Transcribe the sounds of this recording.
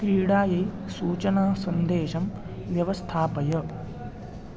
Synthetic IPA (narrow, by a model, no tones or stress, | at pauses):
kɾiːɽaːjɐjsuːt͡ʃɐnaːsɐnd̪eːʃɐm | ʋjɐʋɐst̪ʰaːpɐjɐ